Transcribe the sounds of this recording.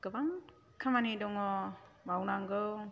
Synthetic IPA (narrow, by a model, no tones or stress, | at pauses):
ɡɯbaŋ | kʰamanidɔŋɔmawnaŋɡɯw